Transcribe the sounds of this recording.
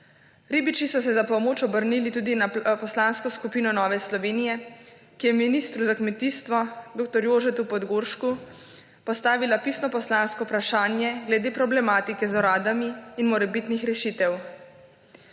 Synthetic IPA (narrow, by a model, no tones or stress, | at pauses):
ɾiːbit͡ʃisɔsɛzapɔmoːt͡ʃɔbəɾnilit̪uːd̪inapɔslaːnskɔskupiːnɔnɔːʋɛslɔʋeːnijɛ | kijɛminist̪ɾuzakmɛt̪iːst̪ʋɔd̪oːkt̪ɔɾjoːʒɛt̪upɔd̪ɡoːɾʃku | pɔst̪aːʋilapisnɔpɔslanskɔpɾaʃaːnjɛɡlɛd̪eːpɾɔblɛmaːt̪ikɛzɔɾaːd̪amiːnmɔɾɛbit̪nixɾɛʃit̪ɛw